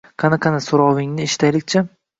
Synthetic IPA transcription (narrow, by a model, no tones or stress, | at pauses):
qʰɑnaqʰɑnasoɾɒwɪŋnɪeʃɪ̥t̪ʰajlɪk̚ʲt͡ʃʰa